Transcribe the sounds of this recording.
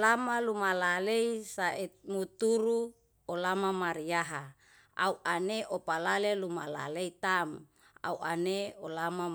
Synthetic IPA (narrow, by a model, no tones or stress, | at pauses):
lamalumalaleisaemut̪uɾu | olamamaɾijaɦa | a̰uʔaneʔopalalelumala̰leit̪am | a̰uʔaneolama